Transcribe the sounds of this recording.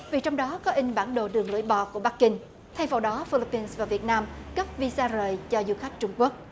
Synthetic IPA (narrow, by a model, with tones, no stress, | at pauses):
vi˨˩t͡ɕwŋ͡mɗɔ˨˦kɔ˨˦ʔï˧ŋ̟ɓaː˧˩nɗo˨˩ɗɨ˨˩əŋlɨ̰˧˩əjɓɔ̰˧˨˩ku˧˩əɓa˦˥k̚kï˧ŋ̟ | t̪ʰa˧jfo̰˨˩ɗɔ˨˦fi˧li˦˥pːi˧nsvaː˨˩vi˨˩ət̚naː˧mɣə˦˥p̚vi˧saː˧zəː˨˩jt͡ɕɔ˧zu˧xa˦˥jk̟̚t͡ɕʊ˧ŋ͡mku˦˥ək̚